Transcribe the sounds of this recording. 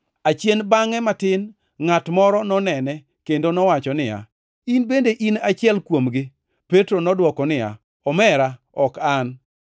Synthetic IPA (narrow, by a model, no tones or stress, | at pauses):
at͡ʃjenbaŋɛmatɪn | ŋatmɔɾɔnɔnɛnɛ | kendonɔwat͡ʃɔnɪja̰ | inbendeʔinat͡ʃɪɛlkwomɡɪ | petɾonɔdwɔkɔnɪa̰ | ɔmɛɾa | ɔkan